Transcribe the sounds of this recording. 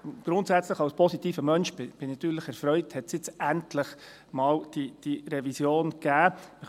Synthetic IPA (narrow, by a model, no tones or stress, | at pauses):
ɡ̥ɾʊntsæt͡sləχɑʊspʰɔsit̪iːfəmœnʃbɪb̥ɪnnɑt̪yːɾləχɛɾfɾœʏthɛtsjɪt͡sæntləχ | mɑːld̥id̥iɾɛvisjoːnɡ̥æːmə